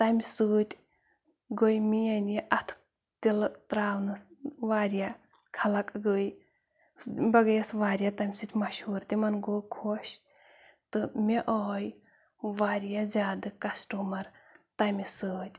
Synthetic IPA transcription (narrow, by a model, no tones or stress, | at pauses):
t̪ɐmʲsɨːt̪ʲ | ɡojmijɐnijʔɐt̪ʰ | t̪ilt̪ɾaːwnɨsʋaːɾja | kʰɐlɐkʼɡɨj | bɐɡɐjɐsʋaːɾjat̪ɐmʲsɨt̪ʲmɐʃuːɾt̪imɐnɡoːkʰoʃ | t̪ɨmʲeʔɔːj | ʋaːɾjazʲaːd̪ɨkɐsʈumɐɾt̪ɐmʲisɨːt̪ʲ